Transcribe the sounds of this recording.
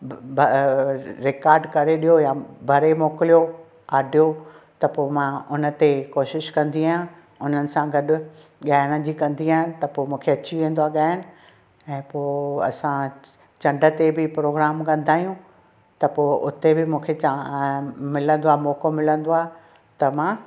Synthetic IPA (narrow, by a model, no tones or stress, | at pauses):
b | ɾɪkaːɾɖkɐɾeɗijojabʱɐɾemɔːkɪlijo | aːɖʱijot̪ɐpoːmãʔʊnə̆t̪ekoːʃɪʃkɐ̃nd̪iaã | ʊn̤ənɪ̆sãɡɐɗʊ̆ | ɠaːɪɪɽ̃əd͡ʑiːkɐ̃nd̪iãːt̪ɐpoːmũːkʰeɐt͡ɕiʋẽːnd̪oaːɠaːɦɪñɪ̆ | ɛ̃ːpoːɐ̰sã | t͡ɕɐ̃ɳɖʱə̆t̪ebɪpɾoːɡɾaːmkɐ̃nd̪ʱaːijũ | t̪ɐpoːʔʊt̪ebɪmũːkʰet͡ɕa | mɪlə̃nd̪oaːmoːkomɪlə̃nd̪oaː | t̪ɐmãː